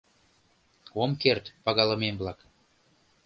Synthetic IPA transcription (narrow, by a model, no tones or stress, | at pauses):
omkert̪pɑɣɑlə̆memblɑk